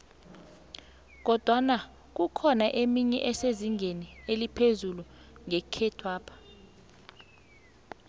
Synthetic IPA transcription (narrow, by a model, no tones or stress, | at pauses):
k̬ɔd̥ʱwana | k̬ukʰɔnaʔemiɲɛ̰ʔɛseziŋʱenielipʰezuluŋɛkʰɛtʰwaːpʰḁ